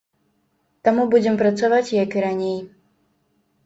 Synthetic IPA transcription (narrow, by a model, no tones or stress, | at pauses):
t̪amubud͡zʲɛmpɾat̪savat͡sʲjakɨɾanʲej